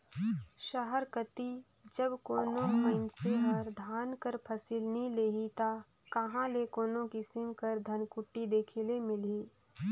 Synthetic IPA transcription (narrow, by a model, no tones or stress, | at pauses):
ʃɐɦəɾkət̪i | d͡ʒəbkoːnõməɪnseɦəɾd̪ʱaːnkəɾpʰɐsɪlnɐɦĩleːɦit̪a | kɐɦãlekoːnõkisɪmkəɾd̪ʱɐnkʊʈːid̪eːkʰelemɪliː